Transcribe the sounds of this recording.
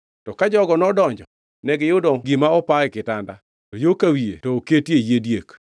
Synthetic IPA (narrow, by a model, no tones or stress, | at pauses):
tɔkad͡ʒɔɡɔnɔdɔɲd͡ʒɔ | nɛɡɪjʊdɔɡimaɔpaɪkɪtanda | tojokawiḛtoketejedjek